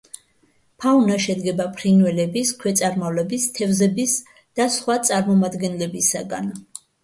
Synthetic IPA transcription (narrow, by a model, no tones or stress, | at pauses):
pʰaunaʃɛd̪ɡɛbapʰɾinwɛlɛbiskʰwɛt̪sʼaɾmavlɛbist̪ʰɛvzɛbis | d̪̥asχwat̪sʼaɾmɔmad̪ɡɛnlɛbisaɡa̰n